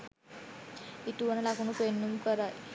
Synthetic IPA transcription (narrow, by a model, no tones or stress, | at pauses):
iʈuʋɐnɐlakunupenːumkəɾaj